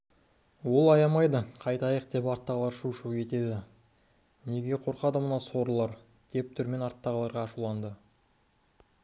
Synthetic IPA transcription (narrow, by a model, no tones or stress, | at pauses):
wo̞lˠɑjɑmɑjd̪əqʰɑjt̪ɑjəq̚d̪e̞pɑɾt̪ːɑʁəlˠɑɾʃuʃukʲʰe̞t̪e̞d̪ɪ | ne̞ɡʲe̞qʰo̞ɾqɑd̪əmənɑso̞ɾəlˠɑɾ | d̪̥e̞p̚t̪ʰʏɾme̞nɑɾt̪ːɑʁəlˠɑɾʁɑːʃulˠɑnd̪ə